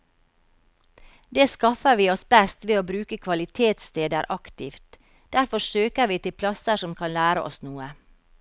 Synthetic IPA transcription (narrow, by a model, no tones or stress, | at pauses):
d̪eːskɑfəɾʋiːɔsbɛst̪ʋeːoːbɾʉːkəkʰʋɑlɪt̪ʰeːt̪st̪eːd̪əɾʔɑkt̪ɪft̪ | d̪̥æɾfɔsøːkəɾʋiːt̪ɪlpʰlɑsəsɔmkʰɑnlæːɾə̰ʔɔ̰snuːə